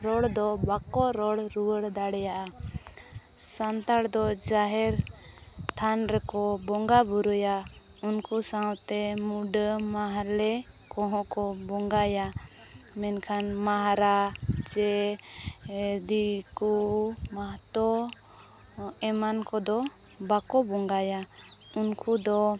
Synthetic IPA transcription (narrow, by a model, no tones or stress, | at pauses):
ɾɔɽd̪ɔbakɔɾɔɽɾuwəɽd̪aɽɛjaʔa | sant̪aɽd̪ɔd͡ʒaɦɛɾ | t̪ʰanɾɛkɔbɔŋɡabuɾɔja | unkusãwt̪ɛmuɖmaɦaɾlɛ | kɔ̃ɦɔ̃kɔbɔŋɡaja | mɛnkʰanmaɦɾad͡ʒɛ | d̪iku | maɦt̪ɔ | ɛmankɔd̪ɔ | bakɔbɔŋɡaja | unkʰud̪ɔ